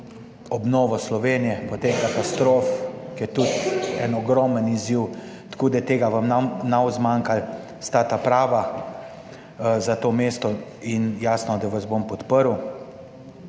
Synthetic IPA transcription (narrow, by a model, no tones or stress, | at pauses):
ɔbnɔːʋɔslɔʋenijɛpɔt̪ekat̪ast̪ɾoːfkjɛt̪ut̪ɛnɔɡɾɔːməniziw | t̪koːd̪ajɛt̪eːɡaʋamnanawzmaːŋkal | st̪aːt̪apɾaːʋa | zat̪oːmest̪ɔinjaːsnɔd̪aʋazbompɔt̪pəɾw